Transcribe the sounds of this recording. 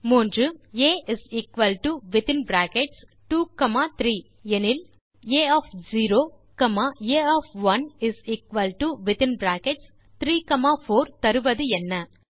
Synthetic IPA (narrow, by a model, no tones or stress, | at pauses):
muːndrɯeːʔɪsiːkʋɐlʈuʋɪt̪ɪnbɾaːkɛʈs | ʈuːkɐmaːt̪ɾiː | ɛnɪl | eːɔːfziːɾoː | kɐmaːeːɔːfʋɐnɪsiːkʋɐlʈuʋɪt̪ɪnbɾaːkɛʈs | t̪ɾiːkɐmaːfoːɾt̪ɐɾɯʋɐðɯɛnːɐ